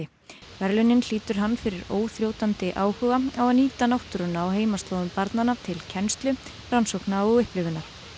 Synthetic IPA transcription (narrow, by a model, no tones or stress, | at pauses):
ɪ | vɛɾlʏnɪnl̥iːt̪ʏɾ̥ɦanːfɪɾɪɾoːwθɾjoːwt̪ant̪ɪʔaːwhʏːɣaawaniːt̪anawht̪ʏɾʏnaːwɦeːjmast̪oːwðʏmpaɾt̪nanːat̪ʰɪlcʰɛnst̪lʏ | ransowknaɔɣʏhplʏvʏnːaɾ̥